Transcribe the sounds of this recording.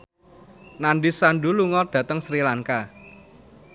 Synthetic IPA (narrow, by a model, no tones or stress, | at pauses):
nanɖisanɖuluŋɔrd̪̥ä̤t̪əŋsɾilaŋka